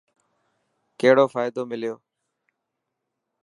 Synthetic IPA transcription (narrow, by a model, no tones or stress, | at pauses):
keːɦɽoːfaːɪd̪oːmɪlɪjoː